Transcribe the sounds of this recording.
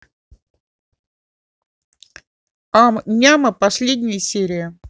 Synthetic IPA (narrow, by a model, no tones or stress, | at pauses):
amnʲaməpɐsʲlʲed̪ʲnʲɪjəsʲeɾʲɪjə